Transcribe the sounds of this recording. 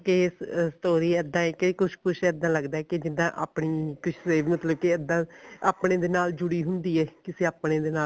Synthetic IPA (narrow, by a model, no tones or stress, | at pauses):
kesst̪oːɾiːɛd̪ːãːɛkeikʊʃkʊʃɛːd̪ːãːləɡd̪aːɛːked͡ʒɪd̪ãːʔa̰ːpɳiːkɪʃʰseːʋmət̪ləb̚keəd̪ːãːaːpɳẽːd̪eːnaːld͡ʒʊɽiːɦʊnd̪iːɛːkɪseːaːpɽẽːd̪eːnaː